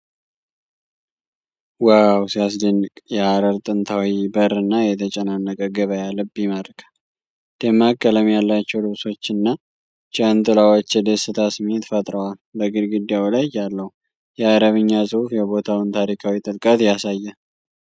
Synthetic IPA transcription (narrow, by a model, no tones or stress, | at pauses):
wawsijas̬d̪ənːɨkʼjɛaɾəɾt̪ʼɨnt̪ʰawibəɾɨnːajɛt̪ʰət͡ʃʼɛnanːəkʼəɡəβəjalɨbɪməɾkʰḁ | d̪̥emːakʼːələmjalːat͡ʃːɛwlɨβso̞t͡ʃːɨnːa | t͡ʃʼənt̪ʼɨlawot͡ʃːjɛd̪esɨt̪ʰasmet̪fət̪ʼɾəwalbəɡɨɾɡɨd̪jawlajalːəhu | jɛaɾəβɨɲːasʼɨhufjɛbo̞t̪ʰawɨnt̪ʰaɾikʰawit̪ʼɨlkʼət̪jasajːa